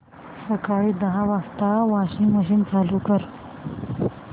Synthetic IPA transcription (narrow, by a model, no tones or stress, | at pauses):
səkaɭiːd̪əɦãʋast̪aʋaɕiŋɡməɕint͡salukəɾ